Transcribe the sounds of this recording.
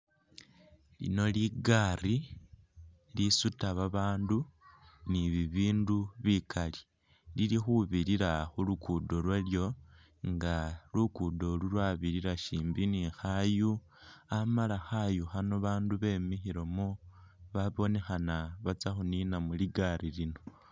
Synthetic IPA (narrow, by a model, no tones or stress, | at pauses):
lḭno̞liɡari | lisutaβaβaːnduniβiβiːnduβikʰali | lilixuβiɾiɾaxulukʰudo̞lwaljo̞ | ŋɡalukudo̞lulwaβiɾiɾaʃiːmbinixaju | amalaxajuxanoβaːnduβe̞mixiɾo̞muβaβo̞ne̞xanaβat͡saxuninamuliɡarilino̞